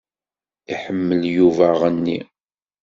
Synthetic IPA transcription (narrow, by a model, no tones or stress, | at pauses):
iħəmːəljuvæʁənːi